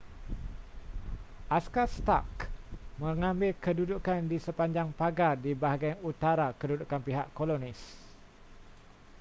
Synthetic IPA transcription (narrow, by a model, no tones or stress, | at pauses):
ʔaskast̪a̰kmə̃ŋãmbɪlkədudukandisəpaɲd͡ʒaŋpaɡadibaɦaɡajut̪aɾakədudukanpiɦaʔkolonis